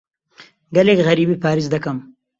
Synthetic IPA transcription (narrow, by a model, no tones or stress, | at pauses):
ɡalekɣaɾibipɑːɾizd̪ɐkəm